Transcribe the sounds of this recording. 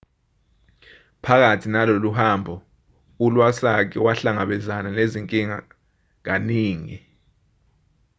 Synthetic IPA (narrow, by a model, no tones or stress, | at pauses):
pʰak̬atʰinaloluhambʱɔ | ulwasak̬ʰɛwaɬaŋaɓɛzananeziŋkʼiŋa̰ | ŋ̬aniːŋi